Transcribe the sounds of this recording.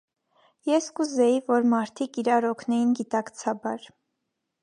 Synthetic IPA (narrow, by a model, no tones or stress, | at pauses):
jɛskuzɛjivɔɾmɑɾt̪ʰikiɾɑɾɔkʰnɛjinɡit̪ɑkt͡sʰɑbɑɾ